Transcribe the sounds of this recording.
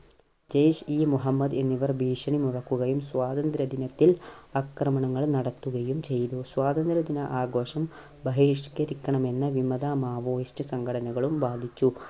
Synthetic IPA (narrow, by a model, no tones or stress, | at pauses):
d͡ʑejʂiːmuɦɐmːɐd̪e̞nːiʋɐrbʱiːʂɐɳimurɐkːuɣɐjumsʋaːd̪ɐnd̪ɾɐd̪inɐt̪ːilɐkɾɐmɐɳɐŋːɐɭnɐɽɐt̪ːuɣɐjumt͡ɕe̞jt̪uswaːd̪ɐnd̪ɾɐd̪inɐʔaːɡo̞ːʂɐm | bɐɦiːʂkɐɾikʲːɐɳɐme̞nːɨʋimɐd̪aːmaːʋoːjisʈɐsɐŋɡʱɐɽɐnɐɣɐɭumʋaːd̪ʱit͡ɕːu